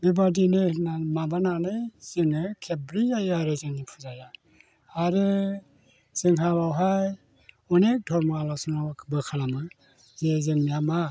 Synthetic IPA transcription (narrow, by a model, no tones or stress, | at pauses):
mibadinɯnamabananɯjzenɯkʰebɾiajaɾezɯnipʰuzaja | aɾɯ | z̥iŋʰaβawɦaj | ɔnek̚dʰɔɾmaalasnɔbɯkʰalamɯ | zezeŋnijama